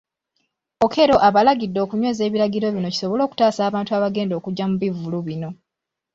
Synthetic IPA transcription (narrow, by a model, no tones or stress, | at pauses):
o̞kʰe̞ɾo̞ʔaβalaɡidːo̞kuɲwe̞ːze̞ːβiɾaɡiɾo̞βino̞ci̥so̞βo̞lo̞ːku̥taːsaːβaːntuaːβaɡe̞ːndo̞ːkuɟːamuβivuluβino̞